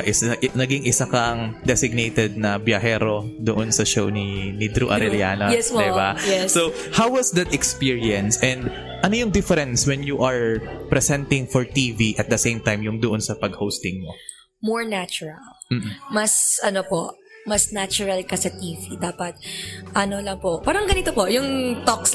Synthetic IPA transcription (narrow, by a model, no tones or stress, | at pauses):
ʔɪsnɐɡiŋɪsakɐŋd̪ɛsɪɡ̚nejt̪ɛd̪̚nɐbjɐɦɛːɾo̞d̪oʔonsɐʃowninid̪ɾuʔɐ̰ɾɛljaːnojɛdɪbajɛso | hawwɐsd̪ɐt̪ɛkspiɹiɐ̃nsɛnd̪ | ʔɐnojʊŋd̪ɪfɛɾɛnswɛnjuʔɐɹpɾɛsɛnt̪ɪŋfɔɹt̪iviʔɐt̪̚d̪ɐsẽjmt̪ajmjʊŋd̪oʔonsɐpɐɡ̚howst̪ɪ̃ŋmo̰ | moɹnat͡ʃʊɹɐl | m̩ːmɐsɐnopoʔ | mɐsnat͡ʃʊɹɐlkɐsɐt̪iːvid̪aːpɐt̪̚ʔɐnolɐŋpoʔpaːɾɐŋɡɐnit̪opojʊŋt̪oks